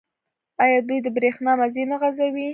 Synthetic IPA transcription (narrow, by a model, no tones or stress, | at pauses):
ɑjɑd̪ujd̪əbɾexnɑmazinaɣazawi